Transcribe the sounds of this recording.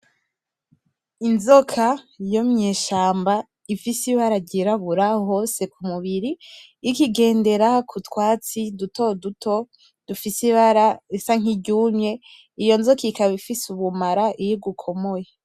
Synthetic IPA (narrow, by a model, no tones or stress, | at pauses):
inzokʰa | jomɲeːʃaːmba | ifisiβaɾaɟiɾaβuɾaho̞ːse̞kumuβiɾiː | kiɡe̞ːnde̞ɾakʰutwaːt͡siduto̞dutʰo | d̥ufisiβaɾaisaŋ̥iɟuːmɲe̞ | ijo̞nzokikaβifisuβumaɾaʔijiɡukʰo̞moje